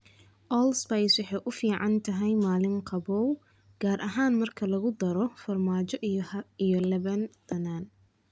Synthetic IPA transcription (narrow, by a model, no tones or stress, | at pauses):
ʔɔːlspɛjswɑħɑjʔʊfiːʕɑnt̪ʰɐɦɛjmaːlɪŋqʰɑβɔːw | ɡ̥aːɾʔɐɦaːnmɐrkʰɐlɐɣʊd̪ɐɾɔfɐrmaːt͡ʃɔʔijɔlɛβɐnd̪̥ɐnaːn